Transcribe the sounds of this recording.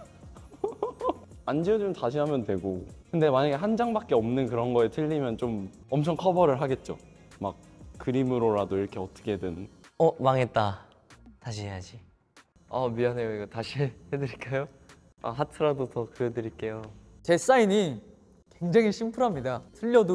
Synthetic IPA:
and͡ʑiod͡ʑmtaɕʰiɦamjʌntwe̞ɡokɯnde̞maɲaɡe̞ɦand͡ʑaŋbak͈e̞ʌmnɯnkɯɾʌnɡʌetʰɯʎːimjʌnt͡ɕom | ʌmt͡ɕʰʌŋkʰʌbʌɾɯɭɦaɡe̞t̚t͡ɕ͈o̰ | mak̚k͈ɯɾimɯɾoɾadoiɾʌkʰe̞ʌt͈ɯ̥kʰedɯnʌmaŋe̞t̚t͈a | taɕ̬ʰiɦe̞jad͡ʑi | ʌmiane̞joiɡataɕʰihedɯɾiɭk͈ajo | a̰ɦatʰɯɾadotʌkɯedɯɾiɭk͈e̞jot͡ɕe̞s͈aiɲi | kweŋd͡ʑaŋiɕʰimpʰɯɾɦamɲidatʰɯʎːʌdo

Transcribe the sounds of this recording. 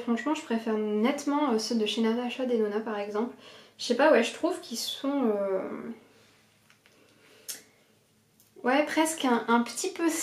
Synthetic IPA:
fχɑ̃ʃmɑ̃ʒəpχefɛʁnɛt̪mɑ̃øsəd̪əʃenɛʁd̪aaʃad̪enonapaʁɛɡzɑ̃plʒəʃepawɛʒət̪χuvkʰʲisɔ̃ø | wɛpχɛskɛ̃ʔɛ̃pə̥t̪ʰipøs

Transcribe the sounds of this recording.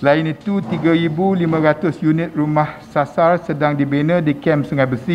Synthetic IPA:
səlaɪnit̪ut̪iɡaɾibulimə̃ɾat̪ʊsjunɪt̪̚rumahsasarsədaŋdibenə̃dikɛmsuŋajbəsi

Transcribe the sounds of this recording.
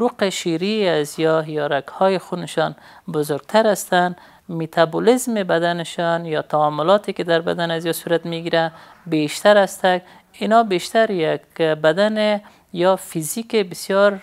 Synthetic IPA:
ɾuqeʃiɾiazijɔjɔɾakhɔjexunɪʃɔn | bʊzʊɾɡ̚t̪ʰaɾast̪an | mit̪ʰabulizmebad̪anɪʃɔnjɔt̪ʰaɔmʊlɔt̪eked̪aɾba̰d̪anazjɔsuɾat̪miɡiɾa | beʃt̪aɾast̪aɡ | inɔbeʃt̪aɾjakbad̪ane | jɔfizikebɪsjɔɾ

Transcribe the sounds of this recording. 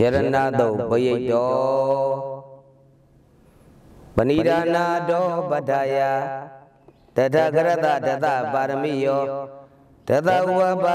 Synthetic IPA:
jɛɾənad̪obəjetːɔ | bəniɾanadɔbadaja | d̥adaɡəɾɛt̪adat̪abaɾəmḭjɔ | d̥ɛt̪auwaba

